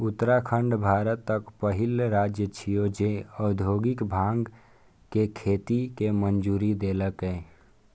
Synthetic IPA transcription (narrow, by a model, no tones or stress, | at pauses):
ʊt̪ːɾakʰə̃ɳɖbʱaːɾət̪ːəkpəɦɪlɾaːd͡ʒjət͡ʃʰijod͡ʒeɔːd̪ʱoːɡɪkbʱãːŋɡ | kekʰeːt̪ikemənd͡ʒuːɾid̪eːləkɦɛ̃ː